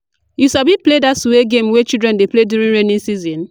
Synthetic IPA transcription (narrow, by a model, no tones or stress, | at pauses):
jusabipledasuweɡemwet͡ʃidɾɛ̃ndepledjuɾĩnɾenĩsizĩn